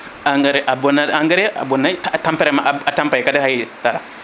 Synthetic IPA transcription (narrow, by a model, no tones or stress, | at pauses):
aŋɡaɾeʔabonaaŋɡəɾea̰bonːaatampɛɾɛmaʔaatampajkadahajitaɾa̰